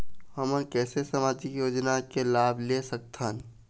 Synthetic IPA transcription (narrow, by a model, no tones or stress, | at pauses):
həmənkɛːsesəmaːd͡ʒikjoːd͡ʒnakelaːbʱlesək̚t̪ʰən